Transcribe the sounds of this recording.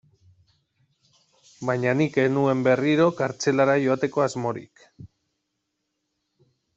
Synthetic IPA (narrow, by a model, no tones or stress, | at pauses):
bajɲanike̞nue̞mbe̞riɾo̞kaɾt͡se̞laɾajo̞at̪e̞ko̞azmo̞ɾḭk